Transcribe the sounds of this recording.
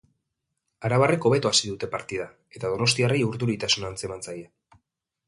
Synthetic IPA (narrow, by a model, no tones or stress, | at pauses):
aɾaβare̞ko̞β̞e̞t̪oasiðut̪e̞paɾt̪ið̞a | e̞t̪að̞o̞no̞st̪iarejuɾðuɾit̪asunant͡se̞mant͡saje